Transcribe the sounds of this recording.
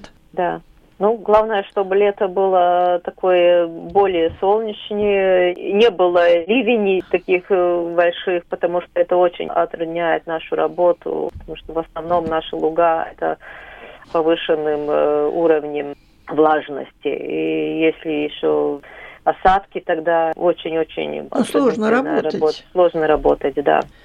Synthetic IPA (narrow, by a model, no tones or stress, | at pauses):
d̪a | nuɡlˠavnəjəʂt̪o̞bɨlʲet̪əbɨlˠət̪ɐkojəbo̞lʲɪjəsolˠnʲɪt͡ɕnʲɪjənʲebɨlˠəlʲivʲɪnʲɪt̪ɐkʲixbɐlʲʂɨxpət̪ɐmuʂt̪oɛt̪əot͡ɕɪ̰nʲɐ̰t̪ɾɐnʲæjɪt̪naʂʊɾɐbo̞t̪ʊ̰pət̪ɐmuʂt̪ovɐsnɐvno̞mnaʂəlˠʊɡaɛ̰t̪ə̰ | pɐvɨʂɨnːɨmuɾəvnʲɪm | vlˠaʐnə̰sʲtʲɪ̰ḭjesʲlʲɪjɪɕːoɐsat̪kʲɪt̪ɐɡd̪aot͡ɕɪnʲo̞t͡ɕɪ̰nʲɐ̰tslˠonəɾɐb̪ɾɐbot̪slˠo̞ʐnəɾɐbo̞t̪ətʲd̪a̰